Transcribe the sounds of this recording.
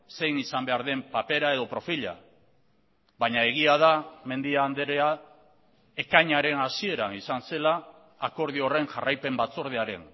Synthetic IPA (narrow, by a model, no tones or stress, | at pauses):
se̞jnisambe̞aɾðe̞mpape̞ɾae̞ðo̞pɾo̞fiʎa̰ | βaɲae̞ɣ̞iað̞ame̞nd̪iaːnd̪eɾea | e̞kaɲaɾe̞nasie̞ɾanisanse̞laː | ko̞ɾð̞io̞re̞ŋʝarajpe̞mbat͡so̞ɾð̞eaɾe̞̰n